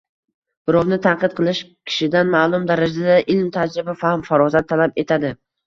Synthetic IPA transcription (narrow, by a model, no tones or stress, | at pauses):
b̥ɪɾɒwnɪt̪ʰanqɨt̪̚qʰɨlˠɪʃkʲʰɪ̥ʃɪd̪anmaːlˠʊmd̪aɾad͡ʒad̪aʔɪlmt̪ʰad͡ʒɾɪbafahmfaɾɒzat̪ʰːalape̞t̪ʰad̪ɪ